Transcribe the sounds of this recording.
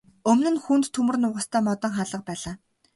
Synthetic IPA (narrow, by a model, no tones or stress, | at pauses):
ɵmnɘ̆nxunt̪t̪ʰːumɵ̆rnʊːʁə̆st̪ʰæːmɔt̪ɞ̆ŋχaːɮə̆q̚pæːɮaː